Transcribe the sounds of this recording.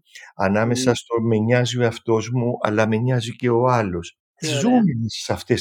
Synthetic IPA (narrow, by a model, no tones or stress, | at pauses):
ɐnɐme̞sɐst̪o̞me̞ɲɐziɐft̪o̞zmuʔɐ̰lɐme̞ɲɐzice̞o̞ɐlo̞s | t̪izzuminissɐft̪e̞s